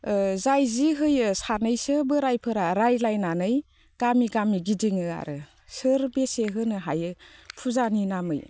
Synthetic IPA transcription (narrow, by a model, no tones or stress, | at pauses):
zajziɦɯjɯsanɯjsɯbɯɾajpʰɯɾaɾajlajnanɯj | ɡ̥amiɡamiɡidiŋɯa̰ɾɯ | sɯɾbeseɦɯnɯɦajɯpʰuzaninamɯ̰j